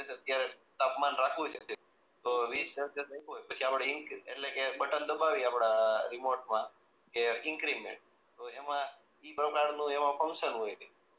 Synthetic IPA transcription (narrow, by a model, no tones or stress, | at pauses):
et͡ʃeət̪jaɾe | t̪apmanɾakʰʋujt͡ʃʰəte | t̪oʋistəɾəset̪ə̃iɦojpət͡ʃʰiapɽeiŋkḛʈlekebəʈənd̪əbaʋiapɽaɾimoɾʈmã | keɪŋkɾimḛɳʈ | t̪oemã | ipɾəkaɾnũemãfʰə̃ŋkʃənɦojt̪ʰe